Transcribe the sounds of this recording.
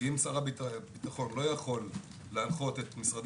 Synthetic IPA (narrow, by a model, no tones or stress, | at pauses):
imsaʁabibit̪aχo̞nlo̞jaχo̞lː | ealχo̞t̪e̞t̪misʁad̪